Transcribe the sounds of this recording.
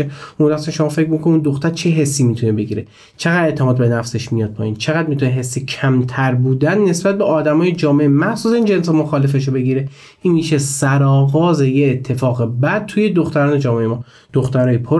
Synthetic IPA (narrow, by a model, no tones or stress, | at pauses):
eumd̪æsænʃo̞mɒːfe̞cɾmikʰonuːnd̪oxt̪æɾt͡ʃʰe̞ɦe̞sːimit̪ʰunebe̞ɡiːɾe | t͡ʃʰeɣæd̪e̞ʔt̪ʰemɒːd̪̚be̞næfse̞ʃmijɒd̪̚pʰɒːiːnt͡ʃʰe̞ɣæd̪̚mit̪ʰuneɦe̞sːicʰæmt̪ʰæɾbuːd̪ænːe̞sbæt̪̚beɒːd̪æmɒːjed͡ʒɒːme̞ʔemæhsuːsæiːnd͡ʒens̬emoxɒːlefeʃobe̞ɡiɾe | ʔinmiːʃesæɾɒːɣɒːze̞jeːt̪ʰːe̞fɒːɣebæd̪̥̚t̪ʰuje̞d̪oxt̪æɾɒːned͡ʒɒːmeejemɒː | d̪̥oxt̪æɾnɔːjipʰo